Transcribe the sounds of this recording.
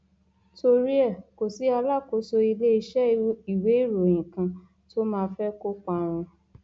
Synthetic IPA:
to˧ɾi˦ɛ˦˨ko˨si˨˦a˧la˦˨ko˨˦so˧i˧le˦i˧ʃɛ˦i˨we˨˦i˦˨ɾo˨j̃ĩ˨kã˧ | to˦mãː˦˧˦fɛ˦ko˦k͡pa˦˨w̃ɔ̃˧

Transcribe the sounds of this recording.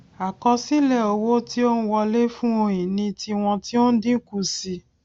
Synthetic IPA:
a˨kɔ˧si˦lɛ˦˨o˧wo˦ti˦o˦ñ̩˦wɔ˧le˦fũ˦o˧ĩ˨nĩ˧ti˧w̃ɔ̃˧ti˦o˦dĩ˦ku˦˨si˧

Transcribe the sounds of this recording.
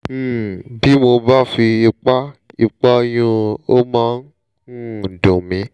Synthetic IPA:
m̩˦˨bi˨˦mo˧ba˦fi˧i˧k͡pa˦i˨˧k͡pa˦˧j̃ũ˧o˦mã˦n˦˨ | dõ˨mĩ˨˦

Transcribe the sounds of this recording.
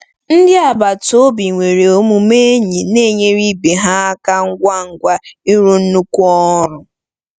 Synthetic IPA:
n̩˦dɪ˦a˨ba˨to˦bi˨ŋʷe˨ɾe˨o˦mu˨me˦e˦ɲi˨ne˦˨ɲe˦ɾi˦be˨ɦa˦a˦ka˦ŋ̩˦ɡʷa˦ŋ̩˦˨ɡʷa˦i˦ɾu˦n̩˦nu˦kʷu˦ɔ˦ɾʊ˨

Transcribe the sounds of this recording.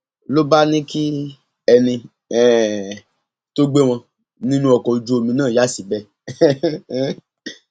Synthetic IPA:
lo˦ba˦nĩ˦ki˦ | ɛ˧nĩ˧ | ɛ˦˨ | to˦ɡ͡be˦w̃ɔ̃˧ | nĩ˦nũ˧˦ɔ˨kɔ˨d͡ʒu˦o˧mĩ˧nãː˦˨ja˦si˨bɛ˦

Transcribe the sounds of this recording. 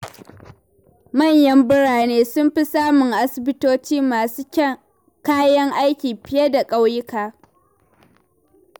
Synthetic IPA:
mɐ˦˨ɲjɐ˦mbɪ˦ɽaː˨neː˦sʊ˦mɸi˦saː˦mʊ˨ŋʔa˦sɪ˨bɪ˦toː˦t͡ʃiː˦maː˨suː˦kʲɐ˦ | kaː˦jɐ˦ŋʔa˦jkʲiː˨ɸɪ˦je˦da˨kʼa˦wjɪ˦kaː˨

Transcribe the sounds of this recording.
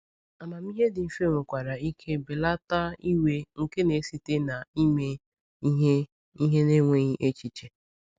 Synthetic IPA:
a˨ma˨mi˦ɦe˦dɪ˨m̩˨fe˦ŋʷʊ˨kʷa˨ɾa˨i˦kʰe˦be˨la˦ta˦i˦we˦ŋ̩˨ke˦ne˨˦si˨te˦na˨i˦me˦ | ɦe˦ | i˦ɦe˦ne˦ŋʷe˦ɲi˦ʔe˦t͡ʃi˨t͡ʃe˨

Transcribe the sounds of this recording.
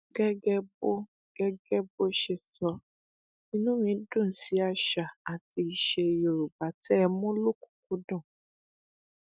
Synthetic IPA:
ɡɛ˦ɡɛ˦bo˦ | ɡ̥ɛ˦ɡɛ˦bo˦ʃɛ˨sɔ˧ | ĩ˦nũ˦mĩ˨˦dũ˦˨n̩˨si˨˦a˧ʃa˨a˨ti˧i˨ʃe˨jo˨ɾu˨ba˨tɛ˦˧mũ˦lo˦ku̥˨k̚u˦dɔ̃˦˨

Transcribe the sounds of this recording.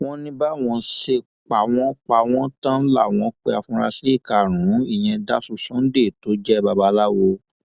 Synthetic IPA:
w̃ɔ̃˧nĩ˧ba˦˨w̃ɔ̃˧ʃe˧ | k͡pa˨w̃ɔ̃˦k͡pa˧˨w̃ɔ̃˦tã˦la̰˦˨w̃ɔ̃˧˦k͡pe˧a˨fũ˧ɾa˧se˦i˦˨ka˨ɾ̃ũ˨˦i˦˨j̃ɛ̃˧da˦su˦˧˨sɔ̃˦n̩˦de˦˨to˨˦d͡ʒɛ˦˨ba˧ba˧˦la˦wo˧

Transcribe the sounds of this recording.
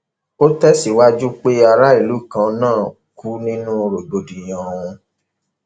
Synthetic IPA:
o˦tɛ˦si˨wa˦d͡ʒu˦k͡pe˦a˧ɾa˦i˦˨lu˨˦˨kã˧nãː˦˨ | ku˦nĩ˦nũ˦˧ɾo˨ɡ͡bo˨dĩ˨j̃ɔ̃˨ũ˧

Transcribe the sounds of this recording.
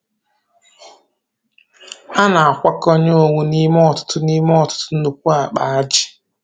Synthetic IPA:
a˦na˨a˨kʷa˦ko˦ɲe˦o˨ŋʷu˨ni˦m˦ɔ˦˨tʊ̥˦tʊ˦ni˦m˦ɔ˨tʊ̥˦tʊ˦n̩˦nu˨kʷu˦a˨k͡pa˨a˦d͡ʒɪ̥˨

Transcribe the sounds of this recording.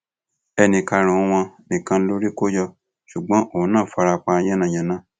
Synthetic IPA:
ɛ˧nĩ˧ka˧ɾ̃ũ˨˧w̃ɔ̃˧nĩ˨kã˧n̩˦lo˦ɾi˦ko˦jɔ˧ | ʃu˨ɡ͡bɔ̃˦ʔõ˨˦nãː˦˨fa˧ɾa˧k͡pa˧˦j̃ɛ̃˦nã˦˨jã˨nã˦

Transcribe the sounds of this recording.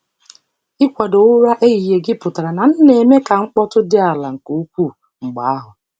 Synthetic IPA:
ɪ˦kʷa˨do˨ʊ˦ɾa˦ʔe˦i˨je˨ɡɪ˦pʊ˨ta˨ɾa˨na˨n̩˦ne˨me˦ka˨ŋ͡m̩˦k͡pɔ˦tʊ˦dɪ˦a˨la˨ŋ̩˨ko˨u˦kʷu˦˨ | ŋ͡m̩˨ɡ͡ba˨a˦ɦʊ˨

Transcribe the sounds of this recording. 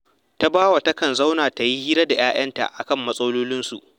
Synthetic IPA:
ta˦baː˦wa˨tɐ˦kɐ˨nza˦wnaː˨ta˨ji˦hiː˦ɾɐ˦da˨jaː˦j̰ɐ˦nta̰˨ʔa˨kɐ˦˨mːɐ˦sʼɐ˦loː˦lɪ˦nsṵ˨ʔ

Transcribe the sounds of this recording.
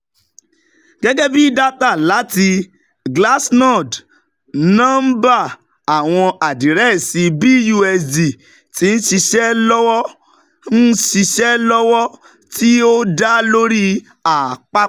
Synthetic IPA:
ɡ̥ɛ˦ɡɛ˦bi˦da˦ta˦˨la˨˦ti˧ | ɡla˦snɔ˦˨d | nã˦m̩˦ba˦˨ | a˨w̃ɔ̃˧a˨dĩ˨ɾɛ˦˨si˧bi˦ju˧ɛ˧sdi˨ | ti˨˦n̩˦ʃi˧ʃɛ˦lɔ˦wɔ˦ | n̩˦ʃi˧ʃɛ˦lɔ˦wɔ˦ | ti˦o˦da˦lo˦ɾi˦ | a˨k͡pa˦

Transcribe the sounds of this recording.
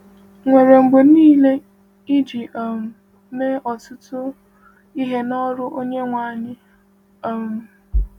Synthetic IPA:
ŋʷe˨ɾe˨m̩˨bo˨niː˦le˦ | i˦d͡ʒi˨ʔo˨m̩˨ | ne˦ɔ˨tʊ˦tʊ˦ | i˦ɦe˦nɔ˦ɾʊ˦ʔo˦ɲe˦ŋʷaː˨˦˨ɲɪ˦ | o˨m̩˨

